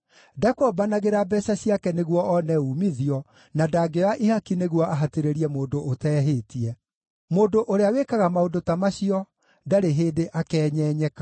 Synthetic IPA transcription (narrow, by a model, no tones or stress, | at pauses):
dakɔbanaɣeɾabɛsaɕiakɛneɣwɔɔnɛumiðiɔ | nadaɡejaʔihakineɣwɔʔaɦateɾeɾiɛmoːndoːtɛːɦeːtiɛ | moːndoʔoɾeawekaɣamaodotamaɕiɔ | daɾeɦeːdeʔakɛːɲɛːɲɛkḁ